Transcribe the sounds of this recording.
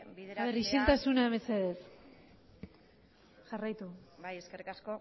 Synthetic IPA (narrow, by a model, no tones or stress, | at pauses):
aðeɾisilt̪asunaeβeseðes | ʝarajt̪uajeskerikasko